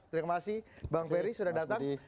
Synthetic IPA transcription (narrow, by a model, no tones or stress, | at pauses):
t̪ɾiamasibaŋpɛɾisudahdat̪aŋ